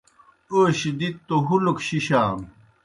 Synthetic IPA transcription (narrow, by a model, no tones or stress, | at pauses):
oːɕid̪it̪ːoɦulukɕiɕaːm